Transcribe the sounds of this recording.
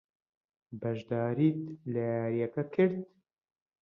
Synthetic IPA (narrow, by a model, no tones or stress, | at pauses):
bɐʒd̪aːɾiːt̪lɛjaːɾijɛkɐkʰɨɾd̪̚